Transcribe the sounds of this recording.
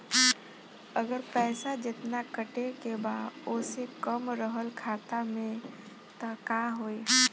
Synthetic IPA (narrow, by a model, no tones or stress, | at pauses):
əɡəɾpɛːsad͡ʒɪt̪nakəʈekebaːoːsekəmɾəɦəlkʰaːt̪amẽ | t̪akaɦoe